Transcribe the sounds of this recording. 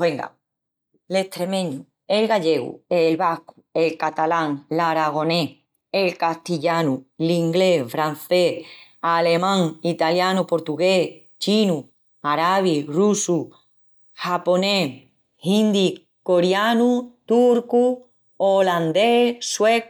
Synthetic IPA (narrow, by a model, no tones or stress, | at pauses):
eŋɡa̰ | le̞ht̪ɾe̞mẽɲu | elɣaʎe̞ɣṵelβaku̥e̞lkat̪alaŋlaɾaɣ̞o̞ne̞ | elkast̪iʎanuliŋɡle̞fɾan̟θeale̞mãŋit̪aljanupo̞ɾt̪uɣe | t͡ʃinu | aɾaβ̞irusu | hapo̞ne | hind̪i | ko̞ɾjanut̪uɾku | oland̪eswek